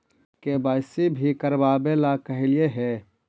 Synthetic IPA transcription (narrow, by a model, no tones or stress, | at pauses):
kebaːɪsibʱikəɾbaːbelakəɦɪlieɦɛː